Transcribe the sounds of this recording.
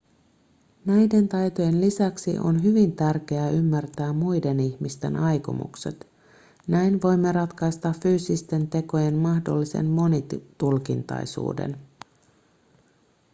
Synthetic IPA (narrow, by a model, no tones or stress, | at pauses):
næjde̞nt̪ɑjt̪o̞je̞nlisæksḭʔo̞̰nɦyʋint̪ærk̟e̞æymːært̪æːmmujde̞niçmist̪e̞̰nʔɑjko̰mṵkse̞̰t̪ | næjnʋo̞jmːe̞ɾɑt̪kɑjst̪ɑffyːsist̪e̞nt̪e̞ko̞je̞nmɑhdo̞̰lːise̞̰nmo̞nit̪ulkint̪ɑ̰jsṵːde̞̰n